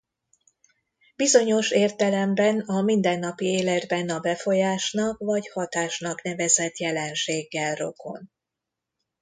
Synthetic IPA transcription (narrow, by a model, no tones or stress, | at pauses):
bizo̞ɲo̞ʃeːrt̪ɛlɛmbɛnɒmind̪ɛnːɒpieːlɛd̪bɛnɒbɛfo̞jaːʃnɒkvɒchɒt̪aːʃnɒkn̪ɛvɛzɛt̪jɛlɛnʃeːɡːɛlro̞̰kʰo̞̰n